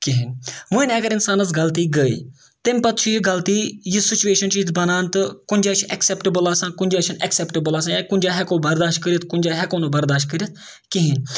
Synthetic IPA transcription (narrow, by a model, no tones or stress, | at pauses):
kiɦinʋuinɐɡɐɾɪnsaːnɐzɡɐlt̪iːɡəḭː | t̪emʲpɐt̪t͡ʃʰuɦiɡɐlt̪iːjisɪt͡ʃueːʃɐnt͡ʃizbɐnaːnt̪ɨkʊnʲd͡ʒaːt͡ʃʰʔɛksɛpʈəbəlaːsãnkʊnʲd͡ʒaːʃʰɐnɛksɛpʈəbəlaːsãːjakʊnʲd͡ʒaːɦɛkõːbɐɾd̪aːʃʈ̚kəɾit̪kʊnʲd͡ʒaːɦɛkoːnoːbɐɾd̪aːʃʈ̚kəɾʲit̪̚ʰ | kiɦin